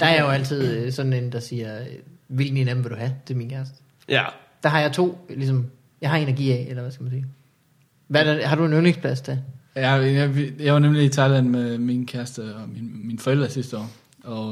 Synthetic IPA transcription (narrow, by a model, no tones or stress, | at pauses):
d̥ɑ̈æɐjɐjo̝æl̰t͡sʰið̞̰ˠsd̥n̩end̥ɑ̈siːɐøʋilɡ̥n̩enæb̥̩ʋe̝ld̥uhæt͡sʰe̝minkʰæɐsd̥ | d̥ɑ̈ɦɑ̈jɑ̈ɪt͡sʰo̝̰ːlisɒ̽m | jɑ̈ɪɦɑ̈e̝nɐɡ̥ḭːɛʔelɐʋæsɡ̥æmænsiː | ʋædæhɑ̈ɾ̥ue̝nøneŋspʰlæsd̥æjæjjɑ̈ɪʋɑ̈nemliit͡sʰɑ̈ɪlænmeminkʰæɐsd̥əɒmiminfɒ̽el̰d̥ʁɐsisd̥əɒ̰ː | ɒ